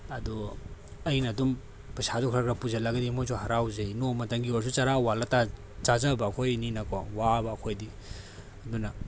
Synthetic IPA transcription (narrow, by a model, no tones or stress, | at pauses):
ɐdu | ɐjnɐːdum | pɐsadɔkʰɾɐkɾapuzɐlaɡɐdimojsohaɾawzɐjnomɐtɐŋɡioɾs̬ut͡ʃaɾawalɐta | t͡ʃazabɐːkʰojninɐkawaŋwabɐːkʰojdi | ɐdunɐ